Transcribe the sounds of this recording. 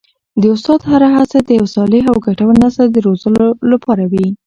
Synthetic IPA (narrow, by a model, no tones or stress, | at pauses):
d̪əʊst̪ɑd̪haɾaɦat͡sad̪əjawsɑlɪɦawɡaʈawnazəld̪əɾozəlolapʰɑɾawi